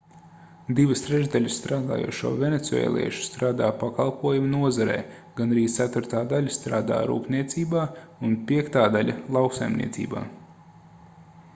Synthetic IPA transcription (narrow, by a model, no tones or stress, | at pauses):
d̪iʋɨst̪ɾɛʒd̪alʲɨsːt̪ɾaːd̪a̰ːjṵɔʃṵɔvʲenet̪suɛ̰ːlˠḭɛʃu̥st̪ɾaːd̪aːpakalˠpuɔjumnuɔzaɾɛ̰ː | ɡ̥anɾiːt̪sæt̪uɾt̪aːd̪alʲɐst̪ɾaːd̪a̰ːɾṵːpniɛt̪siːbaːunpʲiɛkt̪aːd̪alʲɐlˠawksajmnʲḭɛt̪sḭːba̰ː